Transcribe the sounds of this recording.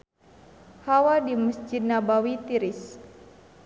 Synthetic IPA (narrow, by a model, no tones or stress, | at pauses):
hawadiməsd͡ʒit̪̚nabawit̪iɾis